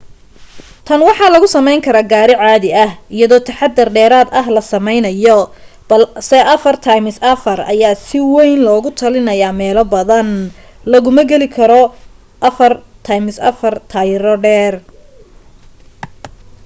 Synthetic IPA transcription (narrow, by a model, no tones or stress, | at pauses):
t̪ʰɐnwɑħɑlɐɣʊsɐmɛjŋkʰɐɾaːɡaːɾɪʕɑːðɪɐhɪjɐðɔːt̪ʰɐħɑd̪ɐrɖɛːɾaːd̪ɐɦlɐsɐmɛjnɐjɔ | bɐlsɛʔɐfɐrt̪ʰɐjmɪsɐfɐrɐ̰jaːsɪwɛjnlɔːɣʊt̪ʰɐlɪnɐjaːmɛːlɔbɐðɐn | lɐɣʊmɐɡɛlɪkʰɐɾɔ | ʔɐfɐrt̪ʰɐjmɪsɐ̰fɐrt̪ʰajɾɔɖɛːr